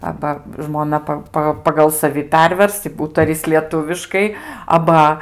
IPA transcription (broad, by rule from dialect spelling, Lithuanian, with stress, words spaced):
ˈɑːbɐ ʒmoːˈnɐ pɐ ˈpɐ pɐɡɐlˠ sɐˈʋʲɪ ˈpʲɛrʲʋʲɛrs ɪ ˈuːtɐrʲɪs lʲiɛˈtʊʋʲɪʃkɐɪ ɐˈbɐ